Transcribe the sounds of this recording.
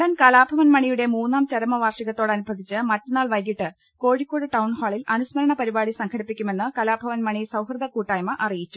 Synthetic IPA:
ɽɐnkɐlaːbʱɐʋɐnmɐɳijuɽe̞muːnːaːmt͡ɕɐɾɐmɐʋaːrʂiɣɐt̪ːo̞ːɽɐnubʱɐd̪ʱit͡ɕːɨmɐtːunːaːɭʋɐjkiʈːɨ | ko̞ːɻikʲːoːɽɨʈɐwɳhoːɭilʔɐnusmɐlɐɳɐpɐɾibaːɽisɐŋkʰɐɽipːikʲːume̞nːɨkɐlaːbʱɐʋɐnmɐɳisɐwhrɨd̪ɐkuːʈːɐːjmɐʔɐrijit͡ɕːu

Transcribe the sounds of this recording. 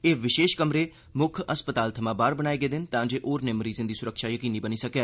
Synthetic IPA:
eːʋɪʃeːʃkəmɾeː | mʊkʰəspət̪aːlt̪ʰəmãːbaːɾbənaːeːɡəeːd̪ɪnt̪ãːd͡ʒeːʔoːɾneːməɾiːzə̃nd̪iːsʊɾəkʃaːjəkiːniːbəniːsəkeː

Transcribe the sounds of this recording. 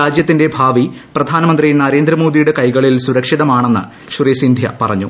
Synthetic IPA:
aːd͡ʑjɐt̪ːinde̞bʱaːʋiprɐd̪ʱaːnɐmɐnd̪rijnɐɾe̞ːnd̪ɾɐmo̞ːd̪ijuɽekɐjɣɐɭilsuɾɐkʂiðɐmaːɳenːɨ̰ | ɕurijɐsind̪ʱjɐ̰pɐrɐɲːṵ

